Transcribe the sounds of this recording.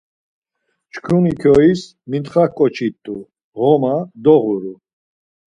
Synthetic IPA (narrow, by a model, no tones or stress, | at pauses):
t͡ʃkʰunikʰɔis | mint̪χakʼɔt͡ʃʰit̪ʼːu | ʁɔmad̪ɔʁuɾu